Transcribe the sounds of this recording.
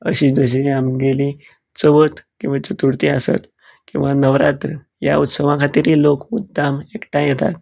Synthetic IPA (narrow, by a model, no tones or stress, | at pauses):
ə̰ɕiːd͡zəɕ̬iamɡelĩ | t͡səʋət̪kĩw̃ʋat͡ɕət̪uɽt̪iasə̰t̪ | kĩw̃ʋanəʋɾat̪ɾə | ja̰ut̪səʋãkʰat̪iːɾilokmud̪ʱːamekʈãjet̪a̰t̪̚